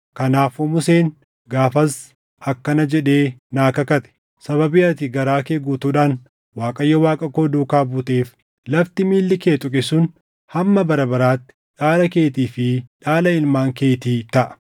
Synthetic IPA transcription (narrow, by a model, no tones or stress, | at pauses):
kɐnaːfʊmʊseːn | ɡaːfɐs | ɐkːɐnɐd͡ʒɛᶑeːnaːkɐkɐt̪ɛ̥ | sɐβɐbɪɐt̪ɪɡɐɾaːkeːɡuːt̪uːᶑaːn | waːkʼɐjːɐwaːkʼɐkoːd̪uːkaːbuːt̪eːf | lɐft̪ɪmiːlːɪkeːt̪ʼʊkʼɪsʊn | hɐmːɐbɐɾɐbɐɾaːt̪ːɪ̥ᶑaːlɐke̞ːt̪iːfɪᶑaːlɐɪlmaːŋke̞ːt̪iːt̪ɐʔɐ̥